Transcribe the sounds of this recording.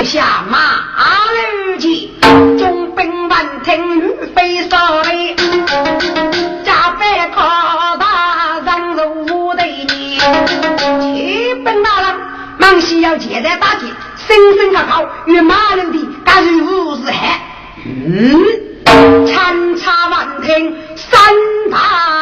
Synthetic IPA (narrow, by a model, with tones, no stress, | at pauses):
ɕi˧a˨˩ma˧a˧˦le˧wd͡ʒi˧˩ | t͡ʃʊ˧ŋpe˧ŋba˧˨nt̪ʰe˧ŋlu˧˥fe˧jsɔ˧˩ɾe˧j | t͡ɕa˧˩pɛ˧kʰɔ˧d̪a˧za˧ŋzo˧wwu˦d̪e˧˨jni˧ | d͡ʒi˨˦pe˧ŋt̪aː˧la˧ŋ | ma˧˩ŋɕi˧ja˧wt͡ɕi˨zɛ˧˥t̪aː˧˥t͡ɕi˨˩ | sɪ˧ŋsɪ˧ŋkʰa˧˩kʰa˧wji˧˨maː˧˥˨le˧nt̪i˧˩ka˧zi˧wu˧˩zɛ˨˦˩ | t͡ʃʰa˧nt͡sʰa˧va˧˩nt̪ʰe˧ŋ | sa˧nt̪a˧˦